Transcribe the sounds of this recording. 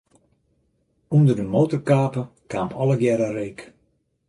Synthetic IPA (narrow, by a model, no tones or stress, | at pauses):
undərdəmoːtərkaːpəkaːmpɔləɡjɛɾərejk